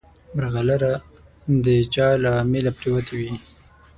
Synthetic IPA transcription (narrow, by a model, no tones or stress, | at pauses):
bɾɣalaɾa | d̪ət͡ʃɑlamelapʈiwat̪ʰewi